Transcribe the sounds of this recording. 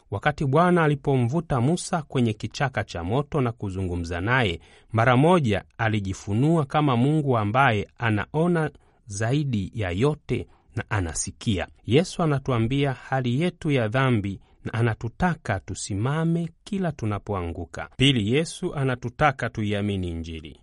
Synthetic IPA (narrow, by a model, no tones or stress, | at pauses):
wakatiɓwanaːlipɔɱ̩vutamusakwɛɲɛkit͡ʃakat͡ʃamɔtɔnakuzuŋɡum̩zanajɛ | maɾamɔʄa̰aliʄifunuakamamuŋɡuambajɛana̰ʔɔna | zaiɗijajɔtɛ | naʔana̰sikia̰jɛsuanatuambiahalijɛtujaðambi | naʔːnatutakatusimamɛkilatunapɔaŋɡuka̰pilijɛsuʔanatutakatuiaminiɲd͡ʒilḭ